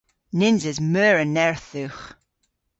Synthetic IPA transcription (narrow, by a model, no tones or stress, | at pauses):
nɪnzəzmœːɹənɛɹθʉχ